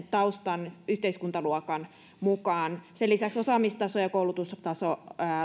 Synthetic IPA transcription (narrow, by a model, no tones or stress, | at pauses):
t̪ɑust̪ɑnyht̪eiskunt̪ɑluokɑn | mukɑːnselːisæksosɑmist̪ɑsojɑkoulut̪ust̪ɑso